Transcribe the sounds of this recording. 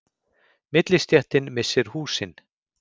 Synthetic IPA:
mɪt̪lɪst̪jaht̪ɪnmɪsːɪɾ̥huːsɪn

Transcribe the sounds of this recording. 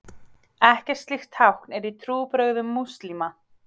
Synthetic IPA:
ɛhcɛɾ̥st̪lɪxt̪ʰawhknɛɾit̪ʰɾuːpɾœɣðʏmːust̪lima

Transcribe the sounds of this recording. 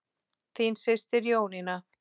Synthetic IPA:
θinsɪst̪ɪɾjoːwnɪna

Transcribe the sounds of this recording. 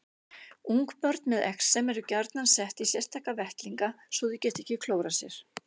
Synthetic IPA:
uŋkpœɾt̪nmɛðɛ̰ksːɛmɛɾʏcaɾt̪nansɛht̪isjɛr̥t̪ʰaːhkavɛht̪liŋka | svɔðʏcɛːht̪ɛhcɪkʰloːwɾasjɛɾ̥

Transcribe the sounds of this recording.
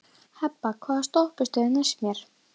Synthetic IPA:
hɛpːakʰvaːðast̪ohpɪst̪œːðɪnɛsmjɛɾ̥

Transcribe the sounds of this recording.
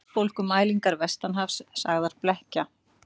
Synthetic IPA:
fowlkʏmaːjliŋkaɾvɛst̪anɦafssaɣðaɾ̥plɛhca

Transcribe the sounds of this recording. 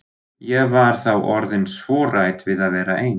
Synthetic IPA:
jɛɣvaɾ̥θawʔɔɾðɪnsvɔːɾajt̪vɪðaðvɛːɾaʔeːjn

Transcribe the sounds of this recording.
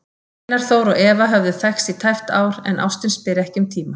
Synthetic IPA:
naɾ̥θoːwɾɔɣɛːvaɦœvðʏθɛxsit̪ʰajft̪aːwɾɛ̰nʔa̰wst̪ɪnspɪɾɛhcʏmt̪ʰiːma

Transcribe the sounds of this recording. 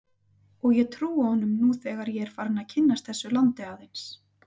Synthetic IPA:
ɔɣjɛt̪ʰɾuːahɔnʏmnuθɛːɣaɾjɛɛɾ̥faːɾɪnaðcʰɪnːast̪̚θɛsːʏlant̪ɪawðejns

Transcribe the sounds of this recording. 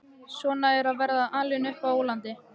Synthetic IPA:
sɔːnaɛɾaðvɛɾðaʔanlɪnʏhpawowlant̪ɪ

